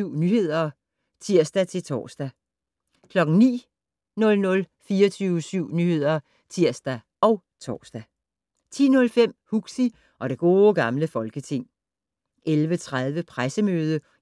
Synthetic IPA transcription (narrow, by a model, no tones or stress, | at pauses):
yʊ̰nyːhe̝ð̞̰ˠɐ | t͡sʰiɐ̰sd̥æt͡sʰe̝lt͡sʰɒ̰ːsd̥æ | kʰlɒ̽ɡ̥ŋ̩nḭː | nɔ̽lnɔ̽lfiːɐt͡sʰyːʊəsyʊ̰nyːhe̝ð̞̰ˠɐ | t͡sʰiɐ̰sd̥æ | ɒ̽ʊt͡sʰɒ̰ːsd̥æ | t͡sʰḭːnɔ̽lfem̰huɡ̥si | ʔɒ̽ɾ̥e̝ɡ̥o̝ːɡ̥ɑ̈mləfɒ̽lɡ̥ət͡sʰe̝ŋ̰ | ʔelʋət͡sʰʁað̞ˠʋəpʰʁasəmøːð̞ˠə